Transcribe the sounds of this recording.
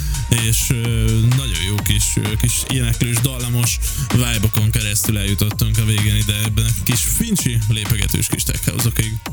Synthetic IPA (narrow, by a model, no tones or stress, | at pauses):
eːʃnɒɟo̞̰jjoːkiʃkiʃḛːnɛkløːʒd̪ɒlːɒmo̞ʃvaːjboko̞ŋkɛɾɛst̪ylɛjut̪o̞t̪ːuŋkɒveːɡeːnid̪ɛɛbːɛnkiʃfint͡ʃileːpɛɡɛ̰t̪ø̰ːʃkiʃt̪ɛ̰khɒ̰wzokiɡ